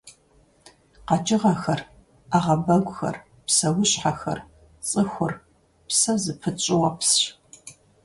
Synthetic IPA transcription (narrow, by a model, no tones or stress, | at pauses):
qɑt͡ʃʼɪʁɐxɐr | aʁɐbɐɡʷʼʊxɐ̰r | psɐwʊɕħaxɐ̰r | t͡sʼɨxʷʊr | psɐzɨpʰɨt͡ʃʼɪwɐps